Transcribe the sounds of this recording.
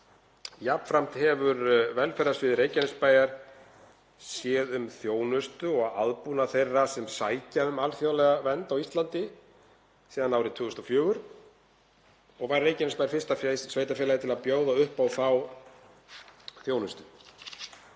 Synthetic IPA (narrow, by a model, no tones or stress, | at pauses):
japn̥fɾam̥t̪hɛvʏɾvɛlfɛɾðasvɪðɪɾeːjcanɪspaːjaɾ̥ | sjɛːðʏmθjoːwnʏst̪ʏɔɣaaðpunaθejrːasɛmsaːjcaʏmalθjaːwlɛɣavɛnt̪awist̪lant̪ɪ | siːðanːawɾɪt̪ʰʏːɣʏst̪ɔfjœːɣʏɾ̥ | ɔɣvaɾːeːjcanɪspajɾfɪst̪afsveːjt̪afɛlajɪt̪ʰɪlaðpjoːwðaʏhpawθaw | θjoːwnʏst̪ʏ̥